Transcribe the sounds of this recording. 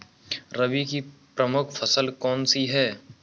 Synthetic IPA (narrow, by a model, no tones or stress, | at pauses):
ɾəbikipɾəmʊkʰfʰəsəlkɔːnsiɦɛː